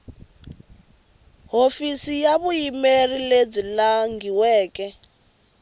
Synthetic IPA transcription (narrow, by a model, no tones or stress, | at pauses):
ɦofisijaβujimerileb͡ʐilaŋɡiwɛːkʼɛ